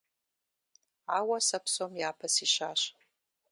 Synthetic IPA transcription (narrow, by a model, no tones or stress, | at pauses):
aːwɐsɐpsoːmjaːpʰɐsiːɕaːɕ